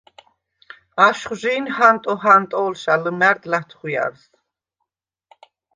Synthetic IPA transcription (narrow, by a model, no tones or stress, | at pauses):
aʃχʒiːnhant̪ʼɔɦant̪ʼɔːlʃaləmæɾd̪lat̪ʰχwia̰ɾs